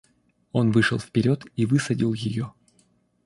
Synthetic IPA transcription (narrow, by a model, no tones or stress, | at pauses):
o̞nvɨʂɨlˠfpʲɪɾʲo̞t̪ivɨsɐdʲilˠjɪjo